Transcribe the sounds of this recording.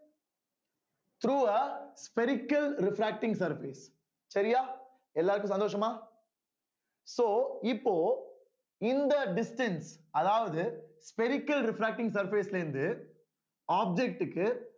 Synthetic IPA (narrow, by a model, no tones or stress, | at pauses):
t̪ʰɾuːɐspɛɾɪkːɐlɾɪfɾæːk̚ʈɪ̃ŋɡsɐɾfiːs | sɐɾɪjaː | ɛlːaːɾɯkːɯ̃sɐnd̪oːʂɐmaː | soːɪpːoː | ɪnd̪ɐɖɪsʈɐnsɐðaːʋɐðɯspɛɾɪkːɐlɾɪfɾaːk̚ʈɪ̃ŋs̬ɐɾfɪːslɐɯnd̪ɯ | aːb̚d͡ʒɛk̚ʈɯkːɯ